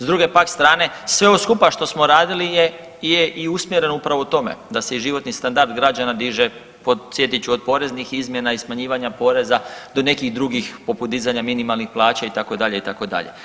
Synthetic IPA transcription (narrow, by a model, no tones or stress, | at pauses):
zd̪ɾuɡe̞pakst̪ɾaːne̞sʋe̞oskupaʃt̪o̞smo̞ɾaːd̪ilije | jeʔiusmjeɾe̞nupɾaʋo̞ut̪o̞me̞̰d̪ase̞iʒiʋo̞t̪nist̪and̪aɾd̪ɡɾad͡ʑanad̪iːʒe̞ | po̞sje̞t̪it͡ɕuod̪̚po̞ɾe̞znixizmje̞naismaɲiːʋaɲapo̞ːɾe̞zad̪o̞ne̞kiɣd̪ɾuɡixpo̞put̪̚d̪izaɲaminimalˠnixplˠaːt͡ɕait̪ako̞d̪aʎeit̪ako̞d̪a̰ʎḛ